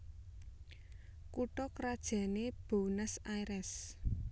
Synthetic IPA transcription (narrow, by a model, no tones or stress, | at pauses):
kuʈɔkɾad̥ʒ̥a̤neb̥onəsajɾɛs